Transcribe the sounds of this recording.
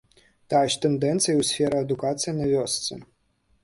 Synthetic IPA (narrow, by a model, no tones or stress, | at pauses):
t̪aɛʂt̪ɛnd̪ɛnt̪sɨjwsʲfʲɛɾɐɐd̪ʊkat̪sɨjinɐvʲɔst̪sɨ̰